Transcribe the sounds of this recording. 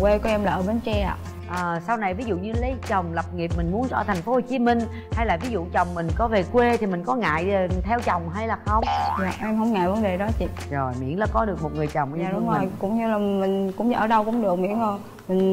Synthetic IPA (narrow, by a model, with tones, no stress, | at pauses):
kwe˧kɔ˨˧˦ʔɛ˧mlaː˨˩ʔəː˧˩ɓe˨˧˦nt͡ɕɛ˧a̰ː˨ | ʔəː˨˩sa˧wna˨˩jvi˨˦zṵ˧˨ɲɨ˧lə˨˦jt͡ɕə˨˩wŋ͡mlə˨˩p̚ŋi˨˩əp̚mï˨˩ŋ̟mu˨˦ənzə̰ː˧˩t̪ʰɛ˨˩jŋ̟fo˨˦ho˨˩t͡ɕi˨˦mï˧ŋ̟ | ha˧jlaː˨˩vi˨˦zṵ˧˨t͡ɕə˨˩wŋ͡mmï˨˩ŋ̟kɔ˨˦ve˨˩kwe˧t̪ʰi˨˩mï˨˩ŋ̟kɔ˨˦ŋa̰ː˧˨jt̪ʰɛ˧wt͡ɕə˨˩wŋ͡mɦaː˧jlaː˨˩xə˧wŋ͡mja̰ː˨ʔɛ˧mhə˧wŋ͡mŋa̰ː˧˨jvə˨˦nɗe˨˩ɗɔ˨˦t͡ɕḭ˧˨ | zo˨˩jmḭ˧˥ənla̰ː˧˦kɔ˨˦ɗɨ˨˩ək̚mo˨˩t̚ŋɨ˨˩əjt͡ɕə˨˩wŋ͡mʔzi˨˩jkʊ̰˧˥ŋ͡mɲɨ˧laː˨˩mï˨˩ŋkʊ̰˧˥ŋ͡mʔəː˧˩ɗə˧wkʊ̰˧˥ŋ͡mɗɨ˨˩ək̚mḭ˧˥no˧˩j | mï˨˩ŋ̟